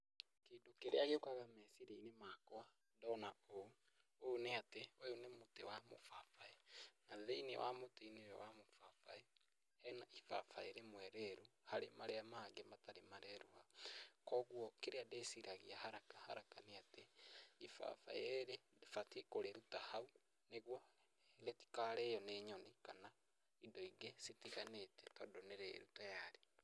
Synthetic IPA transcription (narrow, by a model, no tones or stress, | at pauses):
kedokeɾeaɣeokaɣamɛsiɾeinemakɔa | ndɔnao | oneatewɛunemotewamo̰fafaenaðeinḛwʔa̰moteineɾɛ̰wamofafae | ɛnaifa̰faeɾemwɛɾɛɾuhaɾemaɾeamaaŋɡemataɾemaɾɛɾuhakɔːɣwɔkeɾeadesiɾaɣiahaɾakḁha̰ɾakaneateifa̰fa̰eɾedfatiekoɾeɾutahau | neɣwɔ | ɾeti̥kaːɾɛjɔneɲɔnikana | indɔiɡesetiɣanetɛtɔdɔneɾḛɾutojaɾe